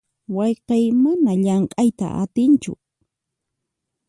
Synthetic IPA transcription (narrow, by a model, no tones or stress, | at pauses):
wɑjqɑjmanaʎaɴqʼajt̪a̰ʔa̰t̪ɪnt͡ʃʊ̰